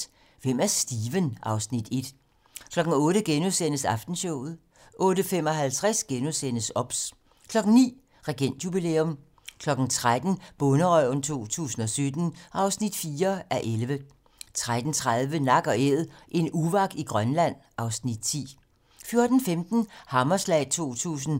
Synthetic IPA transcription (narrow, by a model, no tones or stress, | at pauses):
ʋem̰æɐsd̥iːʋənʔɑ̈ʊsnid̥e̝d̥ | kʰlɒ̽ɡ̥n̩ɔ̽ːɾəɡ̥enusen̰əsɑ̈fd̥n̩ɕɔʊ̰ð̩ˠ | ʔɔ̽ːɾəfem̰ɒ̽ɦælt͡sʰʁasɡ̥enusen̰əsɒ̽b̥s | kʰlɒ̽ɡ̥n̩nḭː | ʁɛɡ̥en̰d̥jub̥ilḛːɔm | kʰlɒ̽ɡ̥n̩t͡sʰʁad̥n̩b̥ɔ̽nəʁœʊn̩t͡sʰo̝̰ːt͡sʰṵːsn̩ɒ̽sød̥n̩ʔɑ̈ʊsnid̥fiːɐæʔelʋə | t͡sʰʁad̥n̩t͡sʰʁað̞ˠʋənɑ̈ɡ̥ɒ̽eð̰ˠʔe̝nuʋɑ̈ɡ̥iɡ̥ʁɶnlæn̰ʔɑ̈ʊsnid̥t͡sʰḭː | fjo̝ɐd̥n̩femd̥n̩hɑ̈mɐslɛ̰ːt͡sʰo̝̰ːt͡sʰṵːs̬n̩